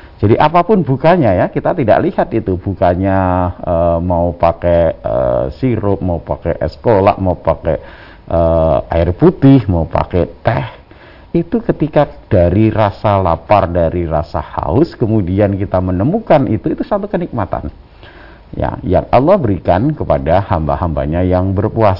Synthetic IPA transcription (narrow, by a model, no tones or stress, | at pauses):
d͡ʒadiʔapapʊnbukaɲajakit̪at̪ida̰ʔlihat̪it̪ubukaɲaəmaupakɛə̰siɾʊp̚maupa̰kɛʔsə̥kola̰ʔmaupakɛ̰ | ʔəa̰ɪrput̪ɪhmaupa̰kɛt̪ɛh | it̪ukət̪ikad̥aɾiɾasalapardaɾiɾasaha̰ʊskəmudiankit̪amənəmukanʔit̪uit̪usant̪ukənik̚mat̪a̰n | ja̰ja̰ŋʔa̰lːahbəɾikankəpadahamba̰hamba̰ɲajaŋbərpuas